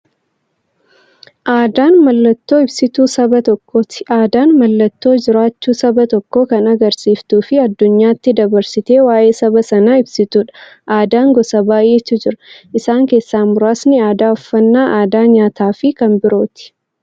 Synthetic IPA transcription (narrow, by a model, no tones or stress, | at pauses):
ʔaːd̪aːnmɐlːɐt̪ːo̞ːɪbsɪt̪uːsɐbɐt̪ɔkːoːt̪ɪ̥aːd̪aːnmɐlːɐt̪ːo̞ːd͡ʒɪɾaːt͡ʃːuːsɐbɐt̪ɔkːo̞ːkɐnɐɡɐɾsiːft̪uːfɪɐd̪ːʊɲːaːt̪ːɪd̪ɐbɐɾsɪt̪e̞ːwaːʔe̞ːsɐbɐsɐnɐɪbsɪt̪uːᶑɐ̥ʔaːd̪aːŋɡɔsɐbaːʔeːt̪ːɪd͡ʒɪɾɐ̥ʔɪsaːŋke̞ːsːaːmʊɾaːsnɪaːd̪aːɔfːɐnːaːʔaːd̪aːɲaːt̪aːfɪkɐmbɪɾo̞ːt̪ɪ̥